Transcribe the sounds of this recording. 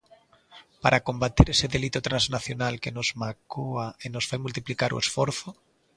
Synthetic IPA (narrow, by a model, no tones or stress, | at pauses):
paɾʔakõmbat̪eɾeseðelit̪ot̪ɾãnznaθjonalkenozmakoaenosfajmult̪̬iplikaɾṵesfoɾθo